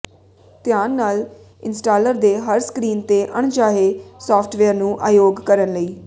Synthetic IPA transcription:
t̪ɪjaːnːaːl | ɪnsʈaːləɾd̪eːɦəɾskɾiːnt̪eːʔəɳd͡ʒaːɦeːsɔːpʰʈʰʋeːəɾnũːʔaːjoːɡkəɾənləiː

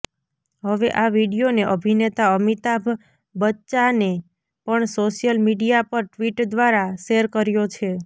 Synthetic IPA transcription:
ɦəʋeʔaʋiɽijoneʔəbʱinet̪aəmit̪abʱ | bətːt͡ʃane | pəɳsoʃjəlmiɽijapəɾʈʋiʈd̪ʋaɾaʃeɾkəɾjot͡ʃʰe

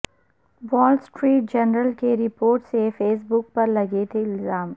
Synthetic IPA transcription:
wɔːlsʈɾiːʈ̚d͡ʒɐnɾəlkeɾɪpoːɾʈsefeːs̬bʊk̚pɐɾlɐɡet̪ʰeɪlzaːm

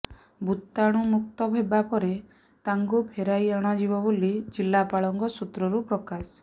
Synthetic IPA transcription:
but̪ːaɽ̃umuk̚t̪ɔbʱebapɔɾe | t̪aŋɡupʰeɾajeɽ̃ɔd͡ʒibɔbolid͡ʒilːapaɭɔŋkɔsut̪ɾɔɾupɾɔkas

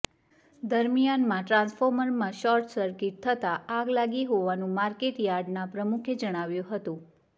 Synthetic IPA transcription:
d̪əɾmijanmãʈɾãnsfɔɾməɾmãʃɔɾʈsəɾkiʈ̚t̪ʰət̪aaɡlaɡiɦoʋanũmaɾkeʈjaɾɖnapɾəmukʰed͡ʒəɽ̃aʋjũɦət̪ũ

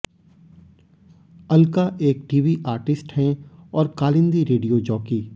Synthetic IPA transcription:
ɐlkaʔeːk̚ʈiːʋiʔaːɾʈɪsʈhɛ̃ɔːɾkaːlɪ̃nd̪iɾeːɖijod͡ʒɔːkiː

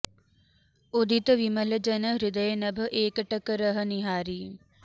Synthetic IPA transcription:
od̪ʱit̪əʋimələd͡ʒənəɾɪd̪əjənəb̆ʱʔeːkəʈəkəɾəɦə̆niɦaːɾiː

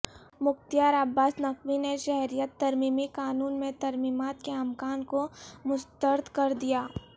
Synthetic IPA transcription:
mʊkt̪jaːɾabːaːsnɐkwineʃɛɦɾijət̪ːɐɾmiːmikaːnuːnmẽt̪ɐɾmiːmaːt̪keɐmkaːnkomʊst̪əɾd̪ʱkɐɾd̪ijaː

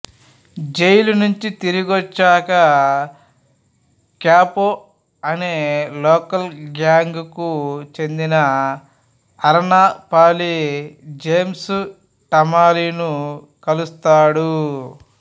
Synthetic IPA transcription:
d͡ʒejlunuɲt͡ʃit̪iɾiɡɔt͡ʃːaːkɐ | kjaːpo | ɐneːlɔːkɐlɡaːŋɡkut͡ʃe̞nd̪inɐ | ɐɾɐnaːpaːlid͡ʒeːmsu | ʈɐmaːlinu | kɐlust̪aːɽu

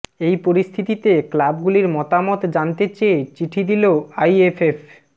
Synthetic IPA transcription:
ejpoɾist̪ʰit̪it̪eklabɡuliɾmɔt̪amot̪d͡ʑant̪et͡ɕeet͡ɕiʈʰid̪iloajefʰef

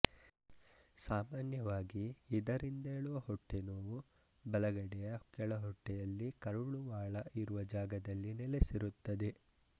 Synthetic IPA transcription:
saːmaːnjɐʋaːɡiːd̪ɐɾind̪ɐeːɭuʋɐhɔʈːenoːʋu | bɐlɐɡɐɽɛjɐkɛɭɐɦɔʈːɛjɐlːikɐɾuɭuʋaːɭɐʔiɾuʋɐd͡ʒaːɡɐd̪ɐlːinɛlesiɾut̪ːɐd̪e̞

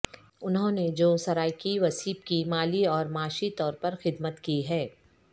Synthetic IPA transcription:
ʊnɦõːned͡ʒoːsɐɾaːjkiʋɐsiːbkimaːliɔːɾmaːʃit̪ɔːɾpɐɾxɪd̪mət̪kiɦɛː

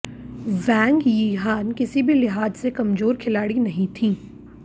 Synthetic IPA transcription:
ʋɛ̃ːŋɡjiːɦaːnkɪsibʱilɪɦaːd͡ʒsekɐmzoːɾkʰɪlaːɽinɐɦĩt̪ʰiː

